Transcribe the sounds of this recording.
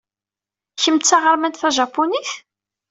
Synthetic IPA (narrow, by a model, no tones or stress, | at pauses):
çəmt͡sːaʁəɾˤmænt̪θæʒɑpːuniθ